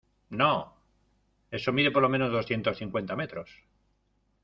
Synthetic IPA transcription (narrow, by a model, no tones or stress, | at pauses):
no | e̞so̞miðe̞poɾlo̞mẽ̞no̞zðoθje̞nt̪o̞sθiŋkwe̞nt̪ame̞t̪ɾos